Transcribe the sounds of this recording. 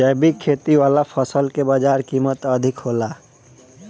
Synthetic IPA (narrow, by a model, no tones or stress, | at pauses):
ɛbikʰeːt̪iwaːlapʰəsəlkebəd͡ʒaːɾkimət̪əd̪ʱɪkɦoːla